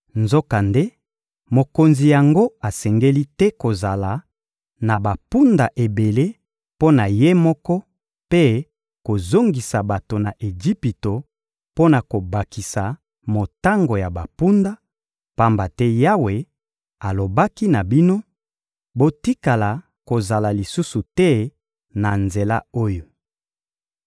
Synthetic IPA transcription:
nzo˦ka˨nde˦ | mo˨ko˨nzi˨ja˨ŋɡo˦a˨sɛ˨ŋɡe˦li˦tɛ˦ko˨za˨la˨ | na˨ba˨pu˦nda˨ʔe˨be˨le˦ | po˦na˨je˦mɔ˦kɔ˦ | pe˦ | ko˨zo˦ŋɡi˨sa˨ba˨to˨na˨ʔe˨d͡ʒi˦pi˨to˨ | po˦na˨ko˨ba˨ki˨sa˨ | mo˨ta˦ŋɡo˨ja˨ba˨pu˦nda˦ | pa˦mba˨tɛ˦ja˦we˨ | a˨lo˨ba˦ki˦na˨bi˦no˦ | bo˦ti˦ka˨la˨ | ko˨za˨la˨li˨su˦su˨tɛ˦ | na˨nze˨la̰˦o˦jo˨

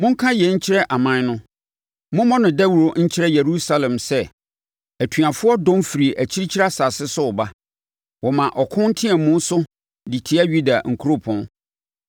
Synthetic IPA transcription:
mʊ̃˦ŋ̩˦kʰã˦jɛ˨ɲ̩˦t͡ɕʰɪ˦ɾɛ˦ʔa˨mã˨n˦nʊ̃˦ | mʊ̃˦mɔ̃˦nʊ̃˨dɛ˦wɾo˨ɲ̩˦t͡ɕʰɪ˦ɾɛ˦je˨ɾu˦sa˦lɛ̃˨msɛ˦ | æ˨tʰɥa˨fʊ˦ɔ˦dɔ̃˦mfi˨ɾi˨ʔæ˨t͡ɕʰi˦ɾi˦t͡ɕʰi˦ɾa˦sa˨sɪ˦sʊ˦ɔ˨ba˦ | wɔ˨mã˨ʔɔ˨kʰʊ̃˦n̩˦tʰɪ̃˦ɛ˨mũ˦n˦sʊ˦ | di˨tʰi˦a˦ɥu˦da˨ŋ̩˨kʰu˦ɾo˦pʰɔ̃˦n

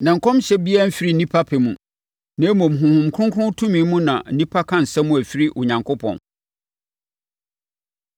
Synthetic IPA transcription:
nã˨ŋ̩˨kʰɔ̃˦m˦ɕɛ˦bi˦ɛ˦m̩˦fi˦ɾi˦˨nĩ˦pʰa˦pʰɛ˨mũ˨ | nã˨˦mɔ̃˨m̩˨ɦʊ̃˨hʊ̃˨m˨kʰɾʊ̃˦ŋkʰʊ̃˦n˦tʰũ˦mĩ˨˦mũ˦nã̰˨n̩˦nĩ˦pʰa˦kʰã˦n̩˨sɛ˦mũ˦æ˨fi˦ɾi˦ʔɔ˨ɲã˨ŋkʰo˦pʰɔ̰̃˨n

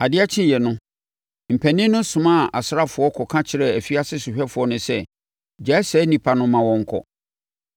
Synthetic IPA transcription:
a˨dɪ˦a˦t͡ɕʰɪ̃˦jɛ˨nʊ̃˦ | m̩˨pʰæ˨nɪ̃˦nʊ̃˦sʊ̃˨mã˦˨ʔa˨sɾa˦fʊ˨ɔ˦kʰɔ˨kʰã˦t͡ɕʰɪ˨ɾɛ˨æ˨fi˦a˦sɪ˦sʊ˨ɕᶣɛ˦fʊ˨ɔ˦nʊ̃˦sɛ˦˨ | d͡ʑa˨˦sɛː˨˦nĩ˨pʰa˨nʊ̃˦mã˨wɔ̃˦ŋ̩˨kʰɔ̰˦˨

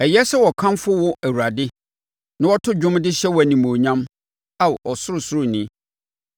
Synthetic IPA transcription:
ɛ˨jɛ˦sɛ˦wɔ˨kʰã˦mfʊ˦wʊ˦ʔæ˨wu˨ɾa˨dɪ˦ | nã˦wɔ˦tʰʊ˦d͡ʑʊ̃˦mdɪ˦ɕɛ˦wɔ˨æ˨nĩ˨mõ˨ɲã˦m | a˦wɔ˨sʊ˦ɾʊ˨sʊ˦ɾʊ˦˨nĩ˦

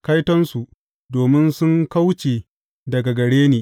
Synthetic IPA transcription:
ka˦jtɔ˦nsu˨ʔ | doː˨mɪ˦nsʊ˦ŋka˦wt͡ʃeː˨ | dɐ˨ɡa˨ɡɐ˨ɽeː˦neː˨

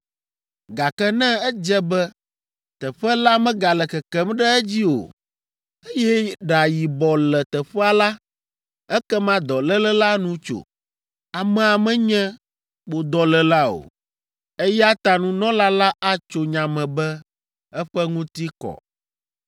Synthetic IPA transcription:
ɡa˨kɛ˦nɛ̃˦ɛ˦d͡ʒɛ˦bɛ˦ | t̪ɛ˨ɸɛ˦la˦mɛ̃˦ɡa˨lɛ˨kɛ˨kɛ˦mɖɛ˦ɛ˦d͡ʑi˦o̰˨ | e˦jɛ˦ɖa˨ji˨bɔ˨lɛ˨t̪ɛ˨ɸɛ˦a˨la˦ | ɛ˦kɛ˦mã˦d̪ɔ˨lɛ˦lɛ˦la˦nũ˦t͡ʃo̰˨ | a˨mɛ̃˨a˨mɛ̃˦ɲɛ̃˦ | ɓo˨d̪ɔ˨lɛ˨la˦o̰˨ | e˦jɛ˦a˦t̪a˨nũ˦nɔ̃˦la˦la˦ʔa˦t͡ʃo˨ɲã˨mɛ̃˨bɛ˦ | ɛ˦ɸɛ˦ŋũ˦t̪i˦kɔ̰˨

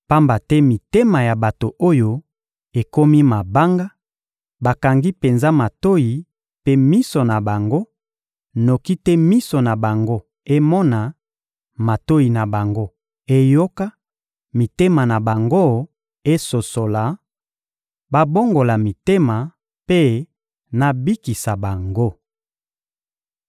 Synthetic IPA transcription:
pa˦mba˨tɛ˦mi˨te˦ma˨ja˨ba˨to˨ʔo˦jo˦ | e˨ko˦mi˦ma˨ba˦ŋɡa˦ | ba˨ka˨ŋɡi˦pe˨nza˦ma˨to˦ji˨ | pe˦mi˦so˨na˨ba˨ŋɡo˦ | no˨ki˦tɛ˦mi˦so˨na˨ba˨ŋɡo˦ | e˦mɔ˦na˨ | ma˨to˦ji˨na˨ba˨ŋɡo˦ | e˦jo˦ka˦ | mi˨te˦ma˨na˨ba˨ŋɡo˦ | e˦so˨so˨la˨ | ba˨bo˦ŋɡo˨la˨mi˨te˦ma˨ | pe˦ | na˨bi˦ki˨sa˨ba˨ŋɡo˦

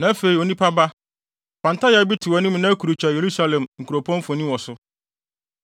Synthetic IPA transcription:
nã˨˦fe˨i˨o˨nĩ˦pʰa˦ba˦ | pʰã˨n˨ta˦ja˨˦bi˦tʰɪ˨wɔ˨nɪ̃˦m˦nã˦kʰu˨ɾu˨t͡ɕᶣa˨je˨ɾu˦sa˦lɛ̃˨mŋ̩˨kʰu˨ɾo˨pʰɔ̃˦nfɔ˨nĩ˦wɔ˨sʊ˦

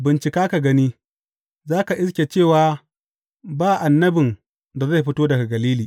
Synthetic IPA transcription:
bɪ˨nt͡ʃɪ˨kaː˦ka˨ɡɐ˦niː˦ | zaː˦ka˨ʔɪ˦skʲe˨t͡ʃeː˦˨waː˨˦ | baː˦˨ʔa˨nːɐ˦bɪ˨n | da˨za˦˨jɸɪ˦toː˦dɐ˨ɡa˨ɡɐ˨liː˦liː˨

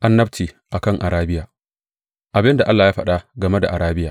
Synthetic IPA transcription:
ʔa˦nːɐ˦btiː˨ | ʔa˨kɐ˦˨ŋʔa˨ɾaː˦bɪ˦jaː˨ | ʔa˨bɪ˦nda˨ʔa˦lːaː˨jaː˦ɸɐ˦ɗa˦ɡɐ˨me˦da̰˨ʔa˨ɾaː˦bɪ˦jaː˨

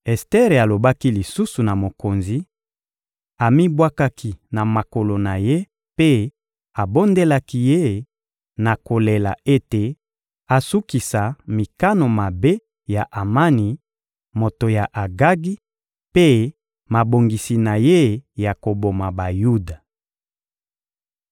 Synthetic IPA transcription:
ɛ˨stɛ˦ʁe˨a˨lo˨ba˦ki˦li˨su˦su˨na˨mo˨ko˨nzi˨˦ | a˨mi˦bwa˦ka˦kʰi˨na˨ma˨ko˨lo˨na˨je˦ | pe˦ | a˨bo˦nde˦la˦ki˦je˦ | na˨ko˨le˨la̰˨e˦te˨ | a˨su˦ki˨sa˨mi˨ka˦no˨ma˨be˦ | ja˨ʔa˨ma˦ni˨ | mo˨to˨ja˨ʔa˨ɡa˦ɡi˦ | pe˦ | ma˨bo˨ŋɡi˨si˨na˨je˦ja˨ko˨bo˨ma˨ba˨ju˦da˨

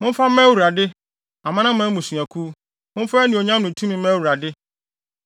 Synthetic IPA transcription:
mʊ̃˦m̩˦fa˦mɛ˦wu˨ɾa˨dɪ˦ | a˨mã˦nã˦mɛ̃˦mũ˨su˨a˨kʰu˦ | mʊ̃˦m˦fa˦nĩ˨o˨ɲã˦mnʊ̃˨tʰũ˦mĩ˨mɛ̃˦wu˨ɾa˨dɪ˦

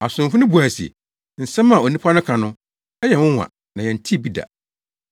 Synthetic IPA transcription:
a˨sʊ̃˨m˨fʊ˦nʊ̃˦bu˨a˨sḭ˨ | n̩˨sɛ̃˦mã˨o˨nĩ˦pʰa˦nʊ̃˦kʰã˨nʊ̃˦ | ɛ˦jɛ˨wʊ̃˦wʷã̰˨ | nã˨jɛ̃˨n̩˨tʰi˦˨bi˦da̰˨

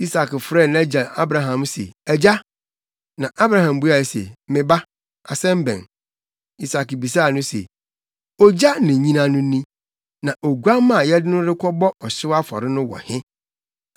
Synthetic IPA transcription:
i˦sa˨kfɾɛ˦˨n˦ã˦d͡ʑa˨a˦bɾã˨ɦã˨msḛ˨æ˨d͡ʑa˦ | nã˨ʔa˦bɾã˦ɦã˨mbu˦a˨sḛ˨mɪ̃˨ba˦ | a˨sɛ̃˦m̩˦bɛ̰̃˨n | i˦sa˨kbi˨s̬a˦˨nʊ̃˦sḛ˨ | ɔ˦d͡ʑa˦nɪ̃˨ɲĩ˦nã˦nʊ̃˦nĩ˦ | nã˨ʔo˨ɡu˦a˦mã˦˨jɛ˦dɪ˦nʊ̃˦ɾɪ˦kʰɔ˦bɔ˦ʔɔ˨ɕɪ˦wa˦fɔ̰˨ɾɪ˦nʊ̃˦wɔ̰˨hɪ̃˦

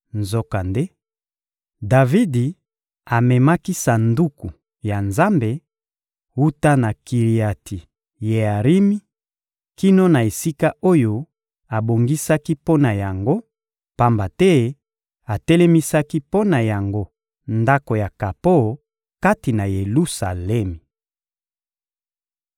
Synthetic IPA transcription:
nzo˦ka˨nde˦ | da˨vi˦di˨ | a˨mɛ˨ma˦ki˦sa˨ndu˦ku˨ | ja˨nza˦mbe˨ | u˦ta˦na˨ki˨ʁi˨a˨ti˨ | je˨a˨ʁi˦mi˦ | ki˦no˦na˨e˨si˦ka˦o˦jo˦ | a˨bo˨ŋɡi˦sa˦ki˦po˦na˨ja˨ŋɡo˦ | pa˦mba˨tɛ˦ | a˨tɛ˦lɛ˦mi˦sa˦ki˦po˦na˨ja˨ŋɡo˦ | nda˦ko˨ja˨ka˨po˦˨ | ka˦ti˨na˨je˨lu˦sa˨lɛ˦mi˨

